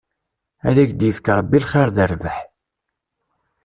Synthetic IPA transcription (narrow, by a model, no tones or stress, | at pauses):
æðæçd̪jəfkɾˤəbːilχeɾðəɾvəħ